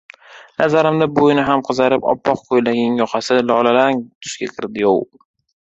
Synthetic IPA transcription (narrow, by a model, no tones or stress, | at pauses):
nazaɾɪmd̪abojnɪɦamqʰɨzaɾɪpɒ̰pːɒqkʰojlaɡʲɪŋjɒqʰɑsɪlɒlalaŋt̪ʰʊ̥ʃkʲakʲʰɪɾd̪ɪjɒ̰w